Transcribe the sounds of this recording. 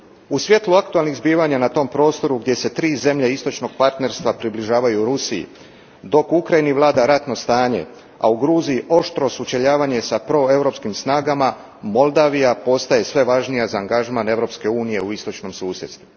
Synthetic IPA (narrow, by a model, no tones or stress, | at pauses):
usʋje̞t̪lˠuakt̪ualˠniɣzbiːʋaɲanat̪o̞ːmpɾo̞ːst̪o̞ɾuɡd̪ʲje̞se̞t̪ɾiːze̞mʎeist̪o̞t͡ʃno̞ɡ̥̚paɾt̪ne̞ɾst̪ʋapɾibliʒaːʋajuɾusijḭ | d̪o̞kukɾajiniʋlˠaːd̪aɾat̪no̞st̪aːɲe̞̰ | a̰uɡɾuːzijiʔo̞ʃt̪ɾo̞sut͡ʃeʎaːʋaɲe̞sapɾo̞e̞wɾo̞pskimsnaːɡama | mo̞lˠd̪aːʋijapo̞st̪aje̞sʋe̞ʋaʒnijazaːŋɡaʒmane̞ʋɾo̞pske̞uːnije̞uist̪o̞t͡ʃno̞msuːsje̞d̪st̪u